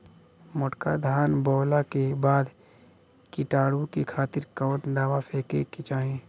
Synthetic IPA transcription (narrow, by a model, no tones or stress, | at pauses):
mʊʈkad̪ʱaːnbɔːlakebaːd̪ | kiʈaːɽukekʰaːt̪ɪɾkɔːt̪d̪aːʋapʰeːkekɪt͡ʃaːɦẽː